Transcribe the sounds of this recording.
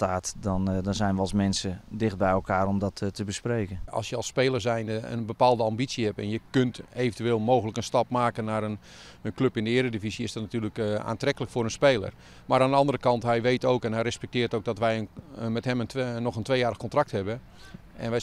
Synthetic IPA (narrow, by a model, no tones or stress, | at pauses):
taːtdɔndɔnzɛjnʋəɑlˠsmɛnsədɪxt̚bɛjɛlˠkaːɾɔmdɔttəbəsprejkənɑ̰lˠsjəɑlˠspeːlˠərsɛjnəə̰nbəpaːlˠdəɑmbisəhɛpɛ̰njəkøntejvəntyʋeːlˠmoːwɣələkənstɑpmaːkənaɾən | ənkløpɪndəɪəɾədivisiɪsdɔtnatyːləka̰ːntrɛkələkfʊːɾənspeːlˠə̰r | maɾaːndəɑndəɾəkɑntɦɛjʋejtoːwkɛnɦɛjɾəspɛk̚tɪːrtowɡ̚dɔtʋɛjənmɛtɦɛmənnɔxəntʋejaːɾəxkɔntrɑk̚thɛbə | ɛnʋɛ